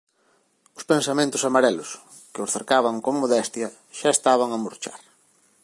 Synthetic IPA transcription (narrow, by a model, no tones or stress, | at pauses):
ʊspensamẽnt̪ʊsamaɾɛlʊs | kɪʊsθeɾkaβɐŋkoŋmoðɛst̪jɐ | ʃaest̪aβ̞ɐŋamoɾt͡ʃa̰ɾ